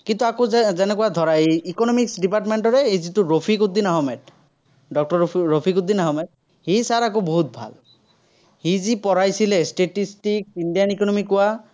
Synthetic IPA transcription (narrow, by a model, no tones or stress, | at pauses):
kint̪uakozɛnɛkuwad̪ʱɔɹaeikɔnɔmiksɖipaʈmeɳʈɔɹɛezituɹopʰikud̪inaɦɔmɛt̚ | ɖɔk̚ʈɔɹɹopʰikud̪ːinaɦɔmɛt̚ | hijsaɹakoboɦut̪̚bʱa̰l | hizipɔɹajsilesʈeʈisʈiksindijanikɔnɔmikʊwa